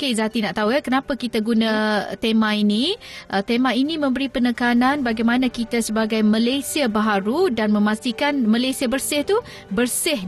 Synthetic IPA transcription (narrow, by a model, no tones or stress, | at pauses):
kezat̪inaʔt̪aujakənapakit̪aɡunãt̪emãiniʔət̪emainimə̃mbəɾipənəkananbaɡajmanakit̪asəbaɡajmə̃lajsiabaɦaɾudanmə̃mast̪ikanmalajsiabərsɪht̪u | bərsɪh